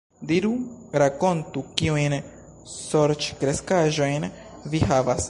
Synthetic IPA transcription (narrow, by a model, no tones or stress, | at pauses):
d̪iɾuɾako̞nt̪ukiujn | so̞ɾt͡ʃkɾe̞skaʒo̞jnviɦavas